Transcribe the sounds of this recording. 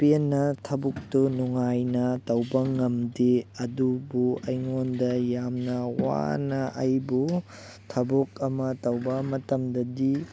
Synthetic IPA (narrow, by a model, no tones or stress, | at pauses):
penːɐtʰɐbuk̚tunuŋajnɐtɐwbɐŋɐmdeɐdubuɐjŋondɐjamnɐwa̰nɐʔɐjbu | tʰɐbukɐmɐtɐwbɐmɐtɐmdɐdi